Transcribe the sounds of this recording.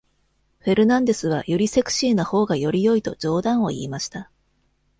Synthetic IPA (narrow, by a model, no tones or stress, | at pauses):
ɸe̞ɾɯ̟nãnd̪e̞sɨβ̞ajoɾʲise̞kɯ̟̥ɕiːnoho̞ːɡajo̞ɾʲijo̞it̪o̞̰d͡ʑo̞ːd̪ãɰ̃o̞̰ḭːmaɕi̥t̪a